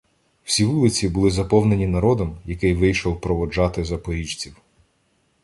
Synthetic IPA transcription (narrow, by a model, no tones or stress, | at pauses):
w̥sʲiʋulˠɪt͡sʲibʊlˠɪzɐpɔwne̞nʲinɐɾɔd̪ɔmjɐkɪjʋɪjʃɔwpɾɔʋɔd͡ʒɑt̪ɪzɐpɔɾʲit͡ʃt͡sʲiw